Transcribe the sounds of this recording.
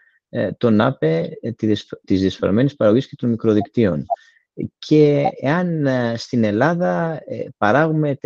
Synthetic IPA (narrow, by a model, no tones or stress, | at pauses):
t̪o̞nɐpe̞ | t̪izðiɐsfɐ̰ɾme̞nispɐɾɐɣo̞ʝisce̞t̪onmikɾo̞ðikt̪io̞n | cʰe̞eɐnst̪ine̞lɐðɐpɐɾɐɣume̞t̪